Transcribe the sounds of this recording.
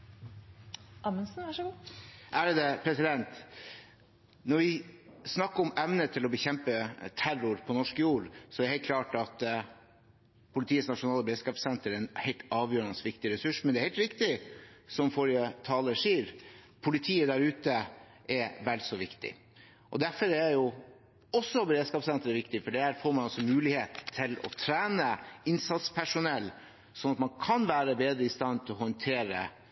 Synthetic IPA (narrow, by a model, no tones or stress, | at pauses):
ʔɑmənsn̩æʂɔɡuːʔæːɾd̪ɛpʰɾɛsɪd̪ɛnt̪ | nɔʋɪsnɑkːəɔmɛʋnət̪ʰɪlɔbəçɛmpət̪ʰæɾʊɾpʰɔnɔʂkəjuːɾsɔɛɾəhɛɪl̚kʰlɑːʈɑt̪ | pʰʊlɪt̪ʰiːəsnɑʂʊnɑːləbɾeːskɑːpsɛnt̪əɾɛnhɛɪlt̪ɑːʋjøːɾnəsʋɪkt̪ɪɾɛsʉʂmɛnɛæɾhɛɪlt̪ɾɪkt̪ɪsɔmfɔɾɪjət̪ʰɑːləʂiːɾ | pʰʊlɪt̪ʰiːəd̪æɾʉːt̪ə | ʔɛʋɛlsɔʋɪkt̪ɪ̰ | ʔɔ̰d̪æɾfɔɾæɾjʊ | ɔsːɔbəɾeːd̪skɑːpsɛnt̪əɾɛʋɪkt̪ɪfɔɖɛhæːɾfoːɾmɑnɑsɔmʉːlɪheːt̪ʰːɪlɔ̰t̪ʰɾæːnəɪnsɑt̪spʰæʂʊnɛlː | sɔnɑt̪mɑnkʰɑnʋæːɾəbeːd̪ɾəɪst̪ɑnːt̪ʰɪlɔhɔnt̪ʰeːɾə̰